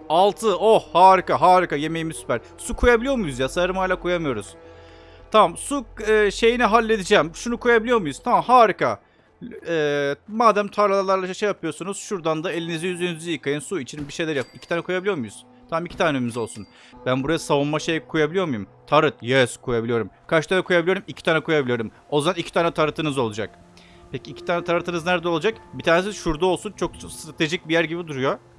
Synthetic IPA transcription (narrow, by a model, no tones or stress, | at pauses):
alˠt̪ʰɯohhaːɾɯkaɦaːɾikaje̞me̞jimizsy̥pʰæɾ̥ | sukʰujabilʲijo̞ɾmujuzjasaɾɯmajlʲakʰujamɯjo̞ɾuz̥ | t̪ʰamamsuʃe̞jiniɦalʲːe̞d̪id͡ʒɛmʃunukʰujabilʲijo̞ɾmujuz̥t̪ʰamamhaːɾɯka | ɛːmaːd̪æmt̪ʰaɾlˠalalˠaɾlˠaʃejːapʰɯjo̞ɾsunuz̥ʃuɾd̪and̪ae̞lʲinizijyzynizijɯkʰajɯnsuit͡ʃʰinbiʃe̞jlʲæɾjapicʰit̪ʰaːnɛkʰujabilʲijomujuz̥ | t̪ʰammicʰi̥t̪ʰaːnemizo̞lˠsun | bænbuɾajasavunmaʃejkʰujabilʲijo̞ɾmujumt̪ʰaɾɯt̪jɛskʰujabilʲijo̞ɾumkʰaʃt̪ʰanɛkʰujabilʲijoɾumicʰi̥t̪ʰaːnɛkʰujabilʲijo̞ɾum | o̞zd̪anicʰit̪ʰaːnɛt̪ʰaɾɯt̪ʰɯnɯzo̞lˠud͡ʒak̚ | pʰeciːcʰi̥t̪ʰaːnɛt̪ʰaɾɯt̪ʰɯnɯznæɾd̪ɛo̞lˠud͡ʒakbit̪ʰaːnesizʃuɾd̪aolˠsunt͡ʃʰo̞k̚st̪ɾat̪ʰe̞ʒic̚bijæɾɟibid̪uɾujo̞